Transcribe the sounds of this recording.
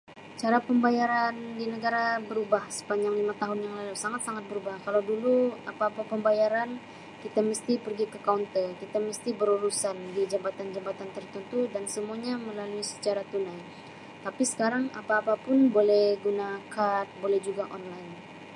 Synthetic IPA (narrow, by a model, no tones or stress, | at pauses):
t͡ʃaɾapəmbajaɾandinəɡaɾabəɾubahsə̥paɲd͡ʒaŋlimat̪aɦʊnjaŋlalusaŋat̪̚saŋat̪̚bəɾubahkalawduluapaːpapəmbajaɾan | kit̪aməst̪ipərɡikəkaunt̪əkit̪aməst̪ibəɾuɾusandid͡ʒabat̪and͡ʒabat̪ant̪ərt̪ənt̪udansəmuaɲaməlaluisə̥t͡ʃaɾat̪unaj | t̪apisə̥kaɾaŋapaːpapʊnbolɛhɡunakanbolɛhd͡ʒuɡaʔɔnlaɪn